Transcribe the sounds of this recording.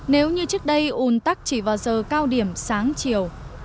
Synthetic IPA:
ne˨˦wɲɨ˧t͡ɕɨ˦˥ək̚ɗə˧jʔu˨˩nt̪a˦˥k̚t͡ɕi˧˩vaː˨˩wzəː˨˩kaː˧wɗi˧˩əmsaː˨˦ŋt͡ɕi˨˩əw

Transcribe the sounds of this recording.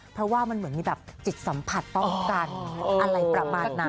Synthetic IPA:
pʰɾɔ˦˥waː˥˩ma˧nmɯ˩˦nmiː˧˩bɛː˨˩p̚t͡ɕi˨˩t̪̚sa˩˦mpʰa˨˩t̪ːɔ˥˩ŋkaː˧nʔa˧ɾa˧jpɾa˧maː˨˩t̪̚na˧

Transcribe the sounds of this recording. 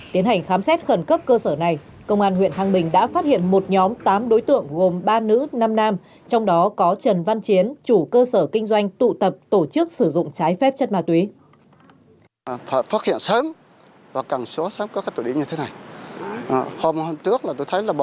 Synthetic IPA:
t̪i˨˦ənha˨˩jŋ̟xaː˨˦msɛ˦˥t̚xə˧˩nkə˦˥p̚kəː˧səː˧˩na˨˩j | kə˧wŋ͡mʔaː˧nhwḭ˧˨ənɦaː˧ŋɓï˨˩ŋ̟ɗa̰ː˧˥faː˦˥t̚hḭ˧˨ənmo˨˩t̚ɲɔ˨˦mt̪aː˨˦mɗo˨˦jt̪ɨ̰˧˨əŋɣo˨˩mɓaː˧nɨ̰˧˥naː˧mnaː˧m | t͡ɕɔ˧wŋ͡mɗɔ˨˦kɔ˨˦t͡ɕə˨˩nva˧nt͡ɕi˨˦ənt͡ɕu˧˩kəː˧səː˧˩kï˧ŋzwa˧jŋ̟t̪ṵ˧˨t̪ə˨˩p̚t̪o˧˩t͡ɕɨ˦˥ək̚sɨ˧˩zʊ̰˧˨ŋ͡mt͡ɕaː˨˦jfɛ˦˥p̚t͡ɕə˦˥t̚maː˧t̪wi˨˦˨ | ffaː˦˥t̚hḭ˧˨ənsəː˨˦m | vaː˨˩kaː˧˨˩ŋso˨˦səː˨˦mkɔ˨˦kaː˦˥j̚t̪o˧˩i˧˨˦ɲɨ˧e˨˦na˨˩j | ho˧mho˧mt͡ɕɨ˦˥ək̚laː˨˩t̪o˧jt̪ʰə˨˦jlaː˨˩ɓ

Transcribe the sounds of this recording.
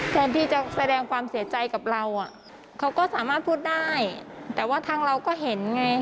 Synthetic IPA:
t̪aː˧nt̪ʰiː˥˩t͡ɕa˨˩sa˧dɛː˧ŋkʰwaː˧msi˨˩˦ɐt͡ɕa˧jka˨˩p̚ɾa˧wʔa˨˩ | kʰa˦˥wkɔː˥˩saː˩˦maː˥˩t̪̚pʰuː˥˩t̪̚daː˥˩jt̪ɛː˨˩waː˥˩t̪ʰaː˧˥ŋɾa˧wkɔː˥˩ɦe˩˦nŋa˧j

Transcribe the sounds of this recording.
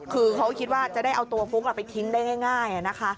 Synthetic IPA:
kʰɯː˧kʰa˦˥wkʰi˦t̪̚waː˥˩t͡ɕa˨˩ʔda˥˩jʔa˧wt̪u˧ɐfʰu˦˥k̚ʔa˨˩pa˧jt̪ʰi˦˥ndaː˥˩jŋaː˥˩jŋaː˥˩jʔa˨˩na˦˥kʰa˦˥

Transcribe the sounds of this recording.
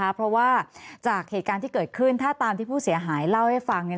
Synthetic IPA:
a˦˥pʰɾɔ˦˥waː˥˩t͡ɕaː˨˩k̚heː˨˩t̪̚kaː˧nt̪ʰiː˥˩kɤː˨˩t̪̚kʰɯ˥˩nt̪ʰaː˥˩t̪aː˧mt̪ʰiː˥˩pʰuː˥˩si˨˩˦ɐɦaː˩˦jla˥˩wha˥˩jfa˧ŋni˧˥˩

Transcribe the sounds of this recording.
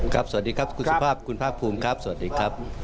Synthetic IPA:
kʰa˦˥p̚sa˧˩a˦diː˧kʰa˦˥p̚kʰu˧sa˧pʰaː˥˩p̚kʰu˧npʰaː˥˩k̚pʰuː˧mkʰa˦˥p̚sa˧˩a˦t̚diː˧kʰa˦˥p̚

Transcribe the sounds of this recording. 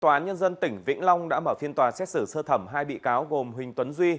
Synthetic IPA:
t̪waː˨˩aː˨˦ɲə˧nzə˧nt̪ï˧˩ŋ̟vḭ˧˥ŋ̟la˧wŋ͡mɗa̰ː˧˥məː˧˩fi˧ənt̪waː˨˩sɛ˦˥t̚sɨ˧˩səː˧t̪ʰə˧˩mɦaː˧jɓḭ˧˨kaː˨˦wɣo˨˩mɦï˨˩ŋ̟t̪wə˨˦nzwi˧

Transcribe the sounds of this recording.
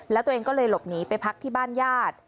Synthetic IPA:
lɛː˦˥wt̪u˧ʔeː˧ŋkɔː˥˩lɤː˧jlo˨˩p̚niː˨˦˥pa˧jpʰa˦˥k̚t̪ʰiː˥˩baː˥˩njaː˥˩t̪̚

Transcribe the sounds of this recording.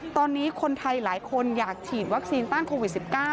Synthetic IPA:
t̪ɔː˧nːiː˦˥kʰo˧nt̪ʰa˧jlaː˩˦jkʰo˧njaː˨˩k̚t͡ɕʰiː˨˩t̪̚wa˦˥k̚siː˧nt̪aː˥˩nkʰoː˧wi˨˩t̪̚si˨˩p̚kaː˥˩

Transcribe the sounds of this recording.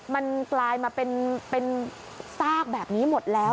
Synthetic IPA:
ma˧nklaː˧jmaː˧pe˧npe˧n | saː˥˩k̚bɛː˨˩p̚niː˦˥mo˨˩t̪̚lɛː˦˥

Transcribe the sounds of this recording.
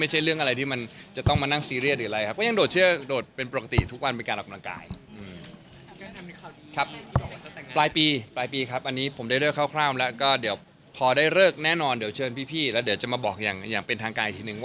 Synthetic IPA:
ma˥˩jt͡ɕʰa˥˩jɾɯ˥˩əŋʔa˧ɾa˧jt̪ʰiː˥˩ma˧nt͡ɕa˨˩t̪ɔ˥˩ŋmaː˧na˥˩ŋsiː˧ɾi˥˩t̪ɾɯː˩˦a˧ɾa˧jkʰa˦˥kɔː˥˩ja˧ŋdoː˨˩t̪̚t͡ɕʰɯ˥˩ədoː˨˩t̪̚pe˧npo˨˩ka˦˥t̪ḭ˨˩t̪ʰu˦˥k̚wa˧npe˧nkaː˧nʔɔ˨˩ka˧mla˧ŋka̰ː˧jʔɯː˧˩m˥˧˥ | kʰa˦˥p̚ː | plaː˧jpiː˧plaː˧jpiː˧kʰa˦˥p̚ʔa˧nːiː˦˥pʰo˩˦mdaː˥˩jɾɤ˥˩kʰa˥˩wkʰlaː˥˩mlɛ˦˥kɔː˥˩di˨˩˦əw | pʰɔː˧daː˥˩jɾɤː˥˩k̚nɛː˥˩nɔː˧ndi˩˦wt͡ɕʰɤː˧npʰiː˥˩pʰiː˥˩lɛ˦˥wdi˨˩˦wt͡ɕa˨˩ʔmaː˧bɔː˨˩k̚ja̰ː˨˩ŋjaː˨˩ŋpe˧nt̪ʰaː˧ŋkaː˧nʔt̪ʰi˧˩nɯ˨˩ŋwa˥˩

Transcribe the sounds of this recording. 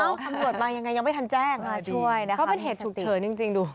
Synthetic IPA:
ʔa˧˥˩wkʰa˧mɾu˨˩ət̪̚aː˧ŋja˧ŋːa˧ja˧ma˥˩jt̪ʰa˧nt͡ɕɛː˥˩ŋaː˧˩t͡ɕʰu˩˥˩əjna˦˥kʰɔ˦˥˦pe˧nɦeː˨˩t̪̚t͡ɕʰuː˨˩k̚t͡ɕʰɤː˩˦nt͡ɕi˧ŋt͡ɕi˧ŋduː˧

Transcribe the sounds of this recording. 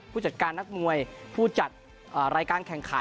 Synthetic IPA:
pʰuː˥˩t͡ɕa˨˩t̪̚kaː˧nːa˦˥k̚mu˧əjpʰuː˥˩t͡ɕa˨˩t̪̚ | ʔaː˨˩ɾaː˧jkaː˧nkʰɛ˨˩ŋkʰa˩˦

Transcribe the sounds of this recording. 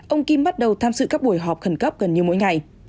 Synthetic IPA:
ʔə˧wŋ͡mki˧mɓa˦˥t̚ɗə˨˩wt̪ʰaː˧mzɨ̰˧˨kaː˦˥k̚ɓu˧˩əjɦɔ˨˩p̚xə˧˩nkə˦˥p̚ɣə˨˩nɲi˨˩wmo̰˧˥jŋa˨˩j

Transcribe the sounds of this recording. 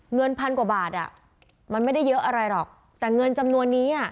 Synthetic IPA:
ŋɤ˧npʰa˧nkwaː˨˩baː˨˩t̪̚ʔa̰˨˩ | ma˧nma˥˩jda˥˩jːɤ˦˥ʔa˧ɾa˧jlɔː˨˩k̚ | t̪ɛː˨˩ŋɤ˧nt͡ɕa˧mnu˧ənːiː˦˥ʔa˥˩

